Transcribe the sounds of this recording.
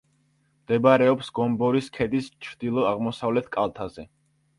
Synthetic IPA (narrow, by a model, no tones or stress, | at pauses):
md̪̥ɛbaɾɛɔpsɡɔmbɔɾiskʰɛd̪ist͡ʃʰɾd̪̥ilˠɔaʁmɔsavlɛt̪ʰkʼalˠt̪ʰazɛ